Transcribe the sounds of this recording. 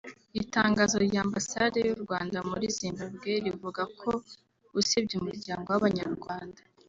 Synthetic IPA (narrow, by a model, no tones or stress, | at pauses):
itaːŋɡaːzoɾɟaːmbasade̞juɾɡwaːndamuɾiziːmɡaβɡeɾivuɡakʰo̞ | usibɟuumuɾɟaːŋɡo̞waβaɲaɾɡwaːnda